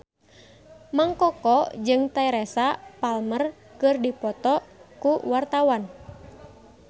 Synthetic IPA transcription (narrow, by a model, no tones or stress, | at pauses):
maŋkɔkɔd͡ʒɨŋt̪aiɾɛsapalmər | kɨrdipɔt̪ɔkuwart̪awan